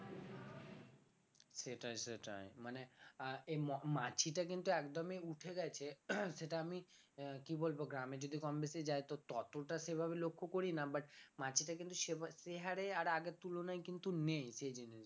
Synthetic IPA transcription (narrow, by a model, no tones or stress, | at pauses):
seʈajseʈa̰jmaneemɔmat͡ɕiʈak̬int̪uɛkd̪ɔmeuʈʰeɡɛjt͡ɕʰeseʈaami | kibolboɡɾamed͡ʑod̪ʱikɔmbesed͡ʑaet̪ot̪ɔt̪oʈasebʱabelokʰːokoɾinabaʈmat͡ɕiʈakint̪uʃebaseɦaɾeaɾaɡet̪ːulonajkint̪unejsed͡ʑini